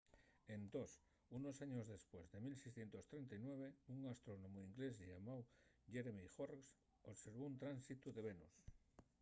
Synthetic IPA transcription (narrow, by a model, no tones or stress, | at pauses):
end̪os | unosaɲozðe̞spwezðe̞milsejsθje̞nt̪ost̪ɾent̪aijnweβ̞euŋast̪ɾonomoiŋɡlezʎamaw | ʝeɾmixoɾs | oβseɾβ̞ount̪ɾansit̪uðeβenus